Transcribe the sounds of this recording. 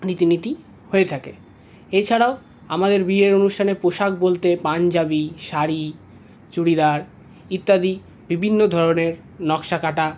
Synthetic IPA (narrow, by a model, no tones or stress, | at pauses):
nit̪init̪i | hoet̪ʰakḛ | et͡ɕʰaɽao | amad̪eɾbieɾonuʃʈʰanepoʃak̚bolt̪epand͡ʑabiʃaɾi | t͡ɕuɽid̪aɾ | it̪ːad̪i | bibʱinːod̪ʱɔɾoneɾ | nɔkʃakaʈa